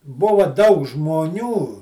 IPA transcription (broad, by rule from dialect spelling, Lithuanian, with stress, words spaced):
ˈbʊʋɐ dɐʊk ʒmoːˈnʲuː